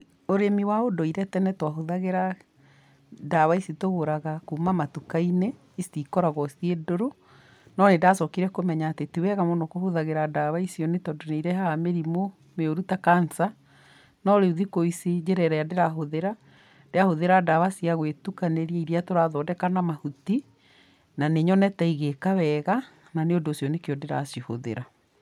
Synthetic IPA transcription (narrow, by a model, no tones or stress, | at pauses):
oɾemiwaodoiɾɛtɛnɛtwaɦoðaɣeɾa | daβaisitoɣoɾaɣakumamatukaine | isikɔɾaɣɔsiedoɾo | nɔnedasɔkiɾɛkomɛɲaːtetiwɛɣamɔnɔkohoðaɣeɾadaβaisiɔnetɔdoneiɾɛɦaameɾimo | meoɾutakansa | nɔɾeuðikoised͡ʑɛɾɛɾajadeɾaɦoðeɾa | d̥eahoðeɾadaβasiaɣwetukaneɾiɛiɾiatoɾaðɔdɛkanamahuti | naneɲɔnɛtaiɣekawɛɣa | naneondoːsjɔnekeɔdeɾa̰sjoho̰ðḛɾa